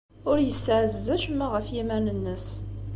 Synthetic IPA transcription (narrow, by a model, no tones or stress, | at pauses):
ʊɾjəsːʕzːæʃmːæʁəfjimænənːəs